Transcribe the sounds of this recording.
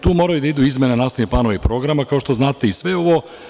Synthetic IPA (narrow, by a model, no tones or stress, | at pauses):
t̪uːmoɾajud̪aid̪uizmjenenaːsaniplano̞ʋeipɾo̞ɡɾamakao̞ʃt̪o̞znaːt̪eisʋe̞o̞ʋo̞